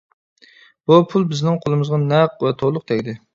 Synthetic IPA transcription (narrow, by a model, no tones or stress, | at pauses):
b̥upʰulˠbɪznɪŋqʰolˠɨmɨzʁɑnɛqvɛt̪ʰolˠʊq̚t̪ʰɛkʲd̪ɪ